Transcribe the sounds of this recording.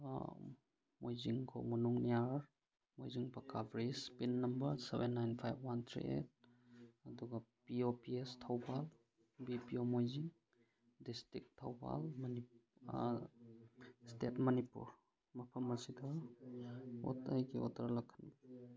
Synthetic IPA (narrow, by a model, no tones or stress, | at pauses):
mojziŋkʰo̰mɐnuŋniaɾ | mojziŋpɐkabɾid͡ʒpinːɐmbɐɾsebenːajnpʰajbwant̪ʰɾḭʔḛt̚ | ɐduɡɐpiopiestʰawbal | bipiomojziŋ | distɾik̚tʰːawba̰lmɐni | stetmɐnipṵɾ | mɐpʰɐmɐsidɐ | o̰tajɡio̰tɐɾlɐkʰanb